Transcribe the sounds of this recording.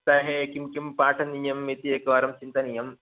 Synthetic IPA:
sɐɦekimkʲumpaːʈʰɐnijɐmːit̪iekaːɾɐmt͡ɕint̪ɐnijɐm

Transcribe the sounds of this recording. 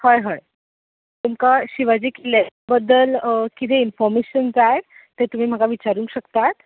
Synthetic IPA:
həjɦəj | t̪umkaɕiʋad͡ʑiːkelebəd̪ːəlkit̪ʰeinfɔɾmeɕənd͡zaje | t̪et̪um̤iːm̤əkaʋit͡ɕaɾũːŋkɕəkt̪at̪

